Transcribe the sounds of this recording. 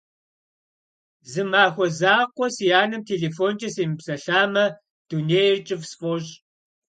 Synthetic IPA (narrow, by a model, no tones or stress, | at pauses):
zɨmaːxʷɔzaːqʷɔsjaːnɨmtʰeːɮefoːnt͡ʃʼɐseːmɨpsɐɬaːmɐ | d̥uneːjrt͡ʃʼɪvsfʼɔɕʼ